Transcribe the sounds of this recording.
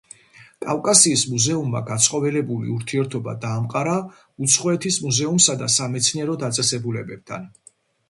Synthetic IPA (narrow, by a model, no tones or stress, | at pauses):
kʼafkʼasiːsmuzɛumːa̰ɡat̪sʼqʼɔvɛlɛbulḭuɾt̪ʰiɛɾt̪ʰɔba̰d̪aːmqʼaɾa | ut̪sʰχɔɛt̪ʰismuzɛumsad̪asamɛt̪sʰniɛɾɔd̪at̪sʼɛsɛbulɛbɛb̥̚t̪ʰa̰n